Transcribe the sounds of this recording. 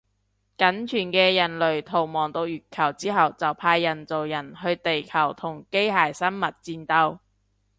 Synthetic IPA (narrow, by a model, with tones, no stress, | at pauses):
kɐ˨˥nt͡ʃʰyː˨˩nkɛː˧jɐ˨˩nlɵ˨˩ɥt̪ʰo˨˩wmɔː˨˩ŋt̪o˧wjyː˨˩t̚kʰɐ˨˩wt͡siː˥ɦɐ˨wt͡sɐ˨˩wpʰaː˧jːɐ˨˩nt͡so˨wjɐ˨˩nɦɵ˧ɥt̪e˨jkʰɐ˨˩wt̪ʰʊ˨˩ŋke˥jɦaː˨˩jsɐ˥nmɐ˨t̚t͡siː˧nt̪ɐ˧w